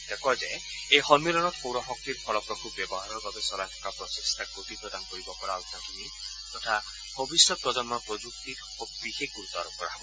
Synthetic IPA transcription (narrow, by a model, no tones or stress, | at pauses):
d̪ekɔd͡ʒe | ejxɔmilɔnɔt̪howɾɔɦɔk̚t̪iɾpʰɔlɔkɔkubjɔbɔɦaɾɔbabesɔlatʰɔ̥kapɾɔsest̪ʰakot̪ipɾɔd̪anɔkɔɾibɔpɔɾaɔt̪at̪imi | t̪ɔt̪ʰa | b̥ʱɔbisjɔpɾɔd͡ʒɔnmɔpɾɔd͡ʒukt̪it̪ | opɾiɦekuɾt̪ɔɾɔpɔɾa̰ɦbɔ